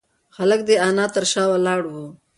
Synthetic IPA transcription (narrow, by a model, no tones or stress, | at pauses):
xalək̚d̪eɑnɑt̪əɾʃɑwalɑːɽwu